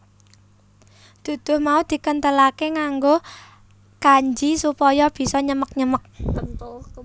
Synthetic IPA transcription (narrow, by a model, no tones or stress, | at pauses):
d̪̥ṳd̪̥ʊ̤hmaud̪̥i̤kənt̪əlakeŋaŋɡo | kaɲd͡ʒisupɔjɔb̥i̤sɔɲəmək̚ɲəmək̚